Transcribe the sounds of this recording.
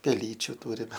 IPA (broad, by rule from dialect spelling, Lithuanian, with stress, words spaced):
pʲɛˈlʲiːt͡ʃʲʊ ˈtuːrʲɪmʲɛ